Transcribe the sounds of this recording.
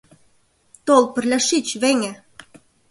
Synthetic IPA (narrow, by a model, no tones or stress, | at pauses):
t̪olpɘ̆rlʲæʃit͡ɕβeŋɘ̆